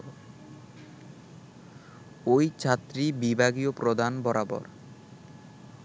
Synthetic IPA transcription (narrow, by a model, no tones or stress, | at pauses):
ojt͡ɕʰat̪ːɾibibʱaɡiopɾod̪ʱanbɔɾabɔ̰ɾ